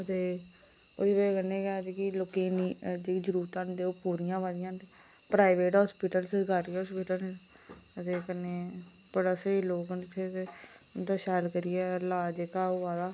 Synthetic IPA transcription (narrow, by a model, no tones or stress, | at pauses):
ət̪eː | o̰ːd̪iːbakənẽːkɛd͡ʒkɪlokeːniːd͡ʒeid͡ʒəɾuːt̪ãːnd̪eːoːpuːɾɪjãːʋaːd̪ɪjãːt̪e | pɾaːɪʋeːʈɦɔːspiːʈəlsəɡaːɾiːɦoːspiːʈəle | ət̪eːkəneː | bəɽaːsəiːloːkənt̪ʰːeke | nt̪aːʃaːlkəɾɪɛːlaːd͡ʒekaːoːʋaːd̪aː